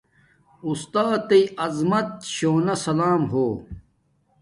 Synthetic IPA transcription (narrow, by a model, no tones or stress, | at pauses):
ust̪aːt̪ɐiʔɐzmɐt̪̚ɕoːnɐsɐlaːmɦoː